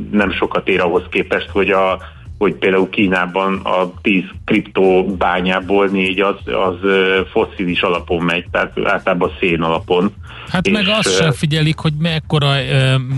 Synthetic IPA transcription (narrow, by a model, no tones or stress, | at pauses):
nɛmʃo̞kɒt̪eːɾɒɦo̞skeːpɛʃt̪ho̞ɟɒ | ho̞cpeːld̪aːulkiːnaːbɒnɒ̰t̪iːzkript̪oːbaːɲaːboːlneːɟɒzɒ̰zfo̞siːliʃɒlɒpo̞mːɛɟ̚t̪ɛɦat̪a̰ːlt̪ɒlaːbɒseːnɒlɒpo̞n | hat̪emɛɡɒsʃɛfiɟɛlikho̞ɟmɛɛkːo̞ɾɒ